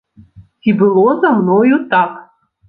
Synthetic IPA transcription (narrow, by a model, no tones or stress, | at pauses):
tʲibɨlˠozamnojut̪ɑp